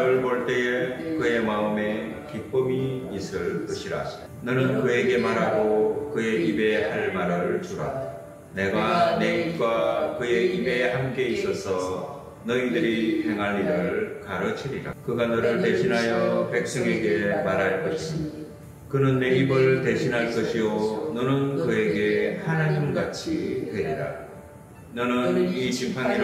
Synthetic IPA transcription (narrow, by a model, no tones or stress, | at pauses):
ɾɯɭboɭt͈e̞kɯe̞maɯme̞kip͈ɯmiːsɯɭk͈ʌɕʰiɾa̰ | nʌnɯnkɯe̞ɡe̞maɾɦaɡokɯe̞ibe̞haɭmaɾɯɭt͡ɕoɾa̰ | ne̞ɡane̞ip̚k͈wakɯe̞ibe̞hamk͈e̞is͈ʌsʰʌ | nʌidɯɾihe̞ŋɦanːiɾɯɯɭkaɾʌt͡ɕʰiɾiɾa̰kɯɡanʌɾɯɭte̞ɕʰinɦajʌpe̞k̚s͈ʌŋe̞ɡe̞maɾɦaɭk͈ʌɕʰio | kɯnɯnːe̞ibɯɭte̞ɕʰinɦaɭkʌɕʰijonʌnɯnkɯe̞ɡe̞hanaɲimɡat͡ɕʰiteɾiɾa̰ | nʌnɯnit͡ɕimpʰaɲiɾ